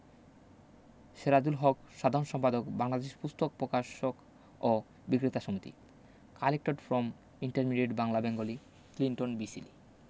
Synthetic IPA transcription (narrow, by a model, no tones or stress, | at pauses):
ʃeɾad͡ʑulɦɔkʃad̪ʱaɾonʃɔmpad̪okbaŋlad̪eʃpust̪ʰok̚pɾokaʃok | o | bikɾit̪aʃomit̪ḭ | kalek̚ʈoɖfɾɔm | iɳʈaɾmiɖeʈbaŋlabeŋɡoli | kliɳʈonbisḭli